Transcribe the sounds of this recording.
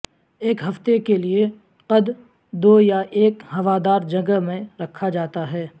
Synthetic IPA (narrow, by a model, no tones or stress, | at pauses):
eːkɦɐft̪ekelie | qɐd̪ | d̪oːjaʔeːkhɐʋad̪aːɾd͡ʒɐ̃ɡəmẽɾɐkʰːad͡ʒaːt̪aɦɛː